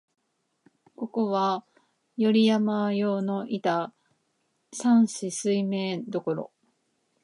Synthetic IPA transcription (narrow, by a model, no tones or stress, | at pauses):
ko̞ko̞βa | jo̞ɾʲijamajo̞ːno̞ʔit̪a | sãɰ̃ɕisɨime̞ːd̪o̞ko̞ɾo̞̰